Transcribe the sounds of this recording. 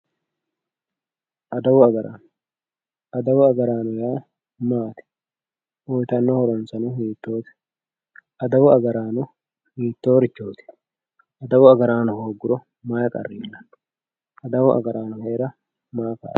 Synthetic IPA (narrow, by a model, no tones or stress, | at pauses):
ʔɐd̪ɐwʊɐɡɐɾa̰ːn | ʔɐd̪ɐwʊɐɡɐɾaːnɔjaː | maːt̪ɪ̥ | ʔɔjt̪ɐnːoːhɔɾɔnsɐnʊɦiːt̪ːo̞ːt̪ɪ̥ | ʔɐd̪ɐwʊɐɡɐɾaːnʊ | hiːt̪ːoːɾɪt͡ʃːoːt̪ɪ̥ | ʔɐd̪ɐwʊɐɡɐɾaːnʊhoːɡʊɾʊ | maːkʼɐ̰rːiːnːɐn | ʔɐd̪ɐwʊʔɐ̰ɡɐɾaːnʊhe̞ːɾɐ | maːka̰̥ː